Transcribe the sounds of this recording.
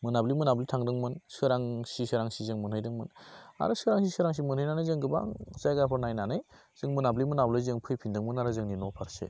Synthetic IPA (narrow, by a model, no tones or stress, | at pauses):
mɯnablimɯnablitʰaŋdɯŋmɯnsɯɾaŋsisɯɾaŋsizɯŋmɯnɦɯjdɯŋmɯna̰ɾɯsɯɾaŋsisɯɾaŋs̬imɯnhɯjnanɯjzɯŋɡɯba̰ŋzajɡapʰɯɾnajnanɯj | z̥ɯŋmɯnablimɯnablɯjzɯŋpʰɯjpʰindɯŋmɯnaɾɯzɯŋninɔpʰaɾsḛ